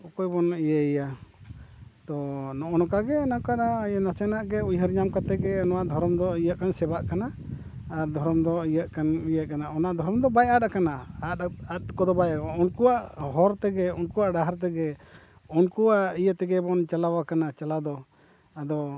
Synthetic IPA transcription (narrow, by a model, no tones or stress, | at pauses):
ɔkɔjbɔnʔijəija | t̪ɔnɔʔɔnɔkaɡɛnakaɗajnasɛnaʔɡɛujɦəɾɲamkat̪ɛɡɛnɔwaʔd̪ʱɔɾɔmd̪ɔijəʔkansɛbaʔkanaː | ɾd̪ʱɔɾɔmd̪ɔijəʔkanijəʔkanaʔɔnaʔd̪ʱɔɾɔmd̪ɔbajatakanaaat̪̚kɔd̪ɔbajaɔnkuwaʔɦɔɾt̪ɛɡɛunkuwaʔɖaɦaɾt̪ɛɡɛ | unkuwaʔijət̪ɛɡɛbɔnt͡ʃalawakanat͡ʃalad̪ɔ | ad̪ɔ